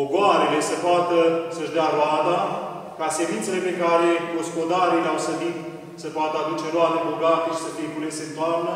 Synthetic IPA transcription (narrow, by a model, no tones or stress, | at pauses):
poɡoaɾele̞səpoat̪əsəʒd̪eaɾoad̪a | kasemint̪sele̞pekaɾe̞ɡospo̞d̪aɾileawsəd̪it̪ | səpoat̪əad̪ut͡ʃeɾoad̪ebo̞ɡat̪eʃi̥sət̪ekulesent̪oamna